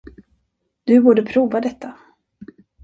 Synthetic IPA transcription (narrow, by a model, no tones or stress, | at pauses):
d̪̥ɵbuːɖəpʰɾuːvad̪ɛt̪ʰːa